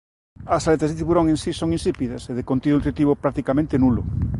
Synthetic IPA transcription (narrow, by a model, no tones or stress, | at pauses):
ɐsalet̪ɐzðet̪iβuɾoŋensisoŋinsipiðɐseðekont̪iðunut̪ɾit̪iβopɾak̚t̪ikamẽnt̪enulʊ